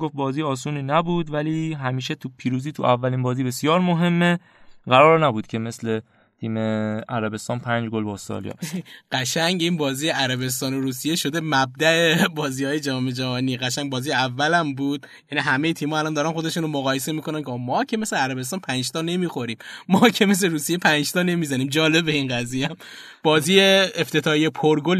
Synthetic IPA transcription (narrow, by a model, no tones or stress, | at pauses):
ɡoft̪̚bɒːziːɒːs̬uːninæbuːd̪væliːɦæmiːʃet̪ʰupʰiːɾuːziːt̪ʰuʔævːæliːnbɒːziːbe̞sjɒːɾmoɦe̞mːe | ɢæɾɒːɾnæbuːd̪̚cʰe̞me̞sle | t̪ʰiːmeæɾæbe̞st̪ɒːnpʰænd͡ʒɡolbɒst̪ɒ̰lijɒ̰ːbɢ̥æʃæŋɟiːnbɒːziːjeæɾæbe̞s̬t̪ɒːnoɾuːsije̞ʃod̪e̞mæb̚d̪æebɒːziːhɒːje̞d͡ʒɒme̞d͡ʒæɦɒniːɡæʃæŋbɒːziːjeævːælæmbuːd̪̥̚ | jæniɦæme̞jet̪ʰiːmɒːælɒnd̪ɒːɾænxo̞d̪e̞ʃuːnomoɣɒːjes̬e̞miːkʰonænkʰemɒːcʰeme̞sleæɾæbes̬t̪ɒːnpʰænd͡ʒt̪ɒːne̞miːxo̞ɾiːmːɒːcʰe̞me̞s̬le̞ɾuːsijepʰænd͡ʒt̪ʰɒːne̞miːzæniːmd͡ʒɒːle̞be̞inɡæzijæm | b̥ɒːziːjeeft̪ʰe̞t̪ʰɒːhijepʰoɾɡol